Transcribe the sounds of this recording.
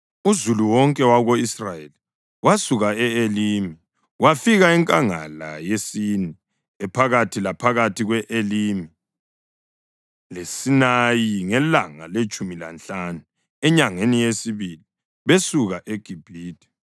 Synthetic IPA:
uzuluwɔŋkʼɛwaɣoisrajeli | wasuɣaɛelimi | wafiɣaiŋkʼaŋa̰la̰jesini | ɛpʰaɣatʰilapʰaɣatʰiɣwɛʔelimi | lesinajiŋɛlaŋa̰let͡ʃʼumila̰nt͡ɬʼanu | ɛɲaŋenijesiβili | βesuɣaʔeɡ̥ʱib̥ʱiːdʱɛ̥

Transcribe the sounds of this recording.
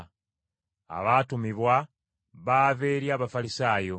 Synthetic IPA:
a̰βaːtumiβwa | βaːveːɾjaːβafalisaːjo̞

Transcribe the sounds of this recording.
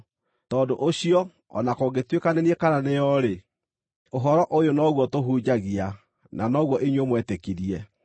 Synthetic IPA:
tɔːdoʔoɕiɔ | ɔ̰nakoɡetwekaneniekananejɔɾe | oɦɔɾɔʔojonɔɣwɔtoɦuːd͡ʑaɣia | nanɔɣwɔʔeɲwomwɛtekiɾiɛ

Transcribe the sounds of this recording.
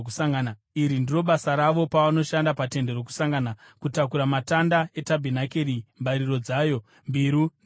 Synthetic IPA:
kusaŋɡana | iɾindiro̞ɓasaɾaʋo̞paʋano̞ʃandapate̞nde̞ɾo̞k̬u̥saŋɡana | kutakuɾamatandae̞tabʱinakeɾimbaɾiro̞d͡zaːjo̞ | mbiɾun

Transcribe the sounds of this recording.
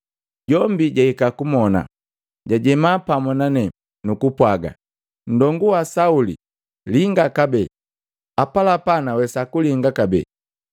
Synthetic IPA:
ɟɔmbiɟahikakumɔna̰ | ɟaɟɛmapamɔnanɛ | nukupwaɡa̰ | n̩dɔŋɡuwasaulḭ | liŋɡakabɛ | apalapanawɛsakuliŋɡakabɛ̰

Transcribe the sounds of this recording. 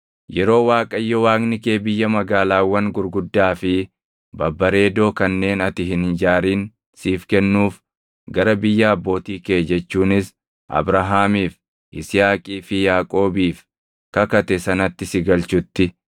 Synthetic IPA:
jɛɾo̞ːwaːkʼɐjːɔwaːknɪke̞ːbɪjːɐmɐɡaːlaːwːɐŋɡʊɾɡʊd̪ːaːfɪ | bɐbːɐɾe̞ːd̪o̞ːkɐnːe̞ːnɐt̪ɪɦɪnd͡ʒaːɾiːn | siːfkɛnːuːf | ɡɐɾɐbɪjːɐːbːo̞ːt̪iːkeːd͡ʒɛt͡ʃːuːnɪs | ʔɐ̰bɾɐɦaːmiːf | ʔɪsɪjaːkʼiːfɪjaːkʼo̞ːbiːf | kɐkɐt̪ɛsɐnɐt̪ːɪsɪɡɐlt͡ʃʊt̪ːɪ

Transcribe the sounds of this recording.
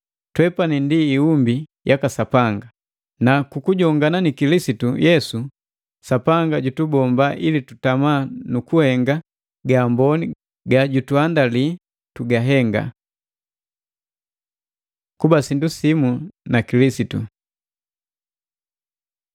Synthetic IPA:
twɛpanindiːumbijʔakasapaŋɡa | nakukuɟɔŋɡananikilisitujɛsu | sapaŋɡaɟutubɔmbaʔilitutamanukuhɛŋɡa | ɡaːmbɔni | ɡaɟutuandali | tuɡaɦɛŋɡa̰ | kubasindusimunakilisitṵ

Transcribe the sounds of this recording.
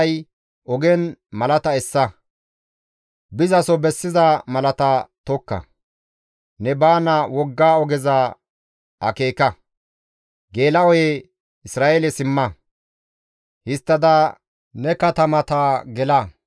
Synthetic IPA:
j | ɔɡɛnmɐlɐt̪ɐɛsːɐ | bɪzɐsɔbɛsːɪzamɐlɐt̪ɐt̪ɔkːɐ̰ | nɛbaːnɐwɔɡːaːɔɡɛzɐ | ɐ̰ke̞ːkɐ | ɡe̞ːlɐɔje | ɪsɾaːʔelɛsɪmːɐ | hɪst̪ːɐd̪ɐ | nɛkɐt̪ɐmɐt̪aɡɛlɐ

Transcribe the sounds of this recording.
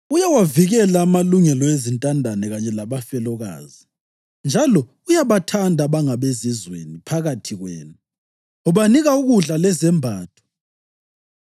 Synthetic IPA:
ujawaviɣɛlaːmaluŋɛlɔezintʼandʱanɛɣaɲɛlaβafɛlɔɣa̰ːzi | nd͡ʒʱalɔ | ujaβatʰandʱaβaŋaβezizwḛnipʰaɣatʰiɣwɛ̰ːnu | ɔβaniɣauɣuɮalɛzɛmbʱaːtʰɔ̥

